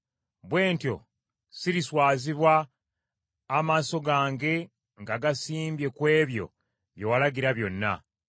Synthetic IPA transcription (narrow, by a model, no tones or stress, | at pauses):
βwe̞ːntjo̞̰ | siɾiswaːziβwa | maːso̞ɡaːŋɡe̞ | ŋɡaɡasiːmbje̞kwe̞ːβjo̞̰ | βje̞walaɡiɾaβjo̞nːa̰